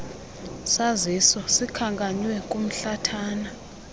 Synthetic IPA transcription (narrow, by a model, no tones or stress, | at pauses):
sazisɔsikʰaŋkʼaɲwɛkʼum̩ɬatʰaːna